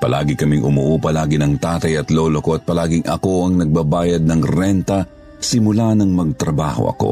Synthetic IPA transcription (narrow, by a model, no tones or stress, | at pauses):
pɐlʔaːɡɪkɐmɪŋʔʊmuːʔuːpɐlaːɡɪnɐŋt̪aːt̪ɐjɐt̪loːloko̞ɐt̪̚pɐlaːɡɪŋʔɐ̰ko̞ʔɐŋnɐɡ̚baːbaːjɐd̪̚nɐŋɾɛnt̪ɐ | sɪmʊlanɐŋmɐɡ̚t̪ɾɐba̰ːho̞̰ʔɐ̰ko̞̰